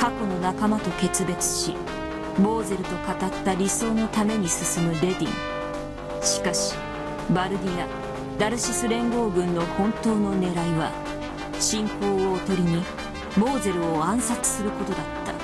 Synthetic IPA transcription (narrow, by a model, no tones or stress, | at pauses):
kako̞no̞nakamat̪o̞ke̞t͡sɨbe̞t͡sɨ̥ɕi | bo̞ːze̞ɾɯ̟t̪o̞kat̪at̪ːaɾʲiso̞ːno̞t̪ame̞ɲ̟isɨsɨmɯ̟ɾe̞d̪ʲḭ̃ŋ | ɕi̥kaɕi̥ | baɾɯ̟d̪ʲia | d̪aɾɯ̟ɕisɨɾẽ̞ŋɡo̞ːɡɯ̟̃nːo̞hõ̞nt̪o̞ːno̞ne̞ɾaiβa | ɕĩŋpo̞ːoːt̪o̞ɾʲiɲ̟i | bo̞ːze̞ɾɯ̟oãɰ̃sat͡sɨ̥sɨɾɯ̟ko̞t̪o̞d̪at̪ːa̰